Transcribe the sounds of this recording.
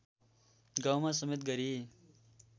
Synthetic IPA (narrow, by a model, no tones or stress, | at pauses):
ɡawmãsʌmet̪̚ɡʌɾi